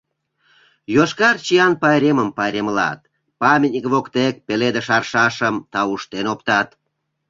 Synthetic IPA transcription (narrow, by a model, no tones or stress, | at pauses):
joʃkɑrt͡ɕijɑnpɑjɾʲeməmpɑjɾemlɑ̰t̪̚ | pɑmʲit̪ʲnʲikβokt̪ek̚peled̪əʃɑrʃɑʃəmt̪ɑuʃt̪enopt̪ɑt̪